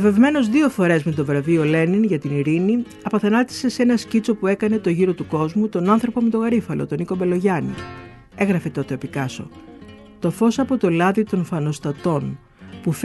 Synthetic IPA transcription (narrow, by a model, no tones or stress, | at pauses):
ve̞vme̞no̞zðio̞fo̞ɾe̞zme̞t̪o̞vɾɐvio̞le̞niŋʝɐt̪iniɾini | ɐpɐθɐnɐt̪i̥se̞senɐscit͡so̞pue̞kɐne̞t̪o̞ʝiɾo̞t̪uko̞zmut̪o̞nɐnθɾo̞po̞me̞t̪o̞ɣɐɾifɐlo̞̰t̪o̞niko̞be̞lo̞ʝɐnḭ | e̞ɣɾɐfe̞t̪o̞t̪eɐpikɐso̞̰ | t̪o̞fo̞sɐpo̞t̪o̞lɐðit̪o̞nfɐno̞st̪ɐt̪o̞n | puf